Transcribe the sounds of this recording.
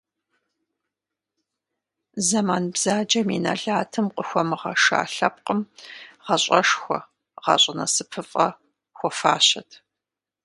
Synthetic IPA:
zɐmaːnbz̥aːd͡ʒɐmḭnɐ̰ɮaːtʰɨmqʼəxʷɔmɨʁɐʂa̰ːɬɐp̚qʼəmʁɐɕʼɐʂxʷɔ̰ | ʁɑ̰ɕʼɐnɐsɨpʰɨfʼɐ | xʷɔfaːɕɐtʰ

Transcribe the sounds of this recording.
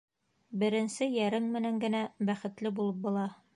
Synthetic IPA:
bɘ̆ɾɘ̆nsɘjæɾɘŋmɘ̆næŋɡɘ̆næbæχɘ̆t̪lɘbulˠɤp̚bŏlˠɑ

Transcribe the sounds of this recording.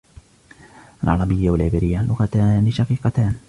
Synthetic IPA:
ʔalʕɑɾˤɑbɪjːawalʕɪbɪːɾɪjːalːʔʊɣat̪aːnɪʃɑqiːqɑt̪aːn

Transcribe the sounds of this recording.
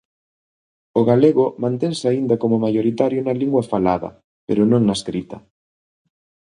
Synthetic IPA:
ʊɣaleɣʊmãnt̪eŋsɪaind̪ɐkomʊmajoɾit̪aɾjʊnaliŋɡwɐfalaðɐ̰ | pḛɾʊnõŋnaeskɾit̪ɐ

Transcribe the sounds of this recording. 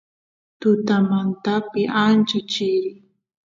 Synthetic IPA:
t̪ʊt̪amant̪apɪʔant͡ʃʊt͡ʃɪɾɪ

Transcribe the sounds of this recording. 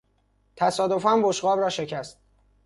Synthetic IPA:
t̪ʰæsɒːd̪o̞fænboʃɢɒːbɾɒːʃe̞cʰæst̪̚

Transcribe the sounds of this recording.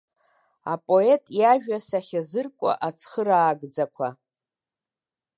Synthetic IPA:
a̰pʼo̞e̞tʼjaʒᶣasaχʲazɨrkʷʼa̰ʔat͡sʰχəɾaːɡd͡zakʷʰa

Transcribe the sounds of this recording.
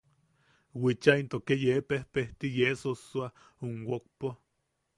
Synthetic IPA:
wit͡ʃaint̪okejepehpeht̪ijesoswa | unwok̚po

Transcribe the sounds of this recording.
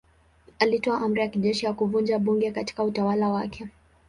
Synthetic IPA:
alitɔaʔam̩ɾijakiʄɛʃijakuvund͡ʒaɓuŋɡɛkati̥kautawalawakʰɛ

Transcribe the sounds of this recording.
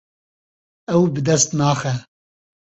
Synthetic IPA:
ɛwbɨd̪ɛst̪naːxɛ

